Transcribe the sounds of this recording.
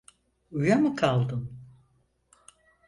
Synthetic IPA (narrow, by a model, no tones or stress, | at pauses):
ujamɯkʰalˠd̪ɯm